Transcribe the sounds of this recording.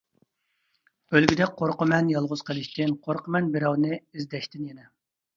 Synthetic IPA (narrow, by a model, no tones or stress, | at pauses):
ølɡʲid̪ɛqʰoɾqəmɛnjɑlˠʁʊz̥qʰəlˠɪʃt̪ɪnqʰoɾqəmɛnbɪɾɛwnɨizd̪ɛʃt̪ɪnjɛnɛ